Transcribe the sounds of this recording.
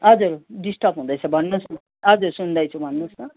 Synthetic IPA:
ʌd͡zuɾɖisʈʌpɦũd̪ʌjt͡sʰʌbʱʌnːos | ʌd͡zuɾsund̪ʌjt͡sʰubʱʌnːosnʌ

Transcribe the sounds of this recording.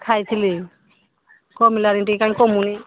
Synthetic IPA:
kʰajt̪ʰili | kɔmilaɾinʈiekanĩkɔmuni

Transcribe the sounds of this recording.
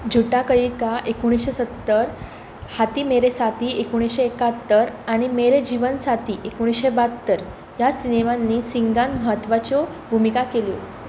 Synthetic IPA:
d͡ʑʱuʈakəikaʔekuɽ̃isɕesət̪ːəɾ | hat̪iːmeɾesat̪iːekoɽ̃isɕeːkat̪ːəɾaɽ̃imeɾed͡ʑiʋənsat̪iːʔekoɽ̃isɕebat̪ːəɾ | jasineʋanːiːsiŋɡanməɦət̪ːʋat͡ɕobʱumikakelijo̰

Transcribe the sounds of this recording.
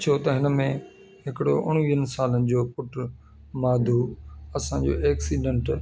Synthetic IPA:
t͡ɕʰoːt̪ɐɦɪnəmẽ | ɦɪkɪɽo̰ʔʊɽ̃ʋiːənɪ̆saːlənɪ̆d͡ʑoːpʊʈ | maːd̪ʱuːɐsãd͡ʑo̰ːʔɛːksiːɖẽɳʈ

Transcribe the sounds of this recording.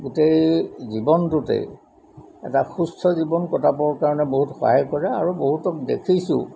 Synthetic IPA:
ɡutejzibɔntutḛ | ɛ̰taxustʰɔzibɔnkɔtapɔɹkaɹɔnɛboɦutxɔ̰ɦajkɔɹɛaɹuboɦutɔk̚dḛkʰisʊ̰̃

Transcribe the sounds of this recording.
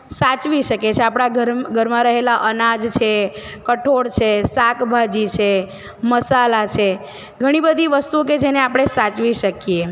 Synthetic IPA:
sat͡ʃʋiʃəket͡ʃʰeapɽ̃aɡəɾɡʱəɾmãɾəɦelaʔənad͡ʒt͡ʃʰe | kəʈʰoɽt͡ʃʰesakbʱad͡ʒit͡ʃʰe | məsalat͡ʃʰe | ɡʱəɽ̃ibəd̪ʱiʋəst̪uok̬ed͡ʒeneapɽ̃esat͡ʃʋiʃəkje

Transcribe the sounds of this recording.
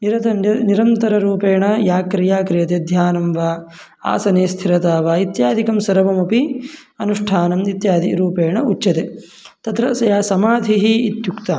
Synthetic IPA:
niɾɐt̪ɐniɾɐnt̪ɐɾɐɾuːpeːɳɐjaːkɾijaːkɾijɐt̪ed̪ʱjaːnɐmʋaː | a̰ːsɐneːst̪ʰiɾɐt̪aːʋaːit̪jaːd̪ʱikɐmsɐɾɐʋɐmɐpi | ɐnuʂʈʰaːnɐmit̪jaːd̪ḭɾuːpeːɳɐut͡ʃːt͡ʃɐt̪e | t̪ɐt̪ɾɐsɐjaːsɐmaːd̪ʱiɦiːt̪jukt̪a

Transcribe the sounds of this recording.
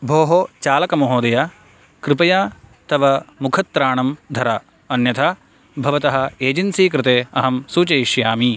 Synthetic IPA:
bʱoːɦoːt͡ʃaːlɐkɐmɐɦoːd̪ɐja | kɾɪpɐjaːt̪ɐʋɐmukʰɐt̪ːɾaːɳɐmd̪ʱɐɾɐ | ɐnjɐt̪ʰa | bʱɐʋɐt̪ɐɦɐ̆eːd͡ʒɐnsiːkɾɪt̪eːɐɦɐmsuːt͡ʃɐjiʃjaːmi

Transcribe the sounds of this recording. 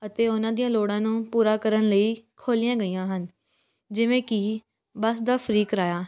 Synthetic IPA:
ət̪eːʊnãːd̪ijãːloːɽãːnũːpuːɾaːkəɾənləiːkʰoːlijãːɡəijãːɦən | d͡ʒɪʋẽːkɪ | bəsd̪aːfʰəɾiːkɾaːjaː

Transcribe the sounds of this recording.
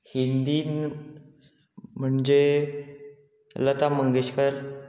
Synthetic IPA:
hind̪iːn | m̤əɳd͡ʑe | lət̪aməŋɡeɕkəɾ

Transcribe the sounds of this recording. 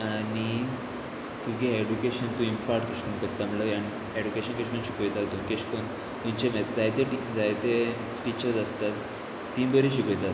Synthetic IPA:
ani | t̪uɡeeɖukeɕənt̪ũimpaɾʈkeɕkonkəɾt̪ːamləjaɳ | eɖukeɕənkeɕkonɕi̥kojt̪at̪d̪ũnkeɕkon | t̪ũmt͡ɕemet̪d͡zajt̪eʈid͡zajt̪e | ʈit͡ɕəɾd͡zəst̪at̪ː | ĩmbəɾeɕikojt̪at̪

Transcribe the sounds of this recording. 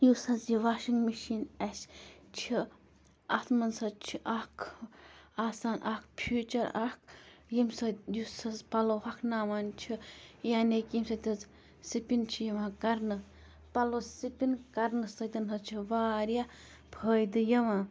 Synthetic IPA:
jusɐzjiʋaːʃiŋɡmiʃiːnɛst͡ʃʰi | ɐt̪ʰmɐnsɐt͡ʃʰiʔɐkʰ | aːsaːnʔɐkpʰuːt͡ʃɐɾa̰k̚jimsɐjusɐzpɐloːɦɐkʰnaːmant͡ʃʰijaːnekimsɐt̪ʲɐz | sipint͡ʃʰijɐʋãːkɐɾnɨ | pɐloːsipinkɐɾnɨsɐt̪ɐnɦɐt͡ʃʰiʋaːɾjaː | bʰʱəːjd̪ɨjɐʋãː

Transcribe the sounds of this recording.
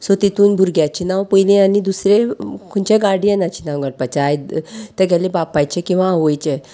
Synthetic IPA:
sot̪it̪ʰuːnbʱuɾɡjat͡ɕinawpəjlẽanid̪usɾekʰoɳt͡ɕeɡaɽianat͡ɕinawɡaɽ̚pat͡ɕːjt̪əɡɛlebapːajt͡ɕekĩw̃ʋaːʋojt͡ɕe

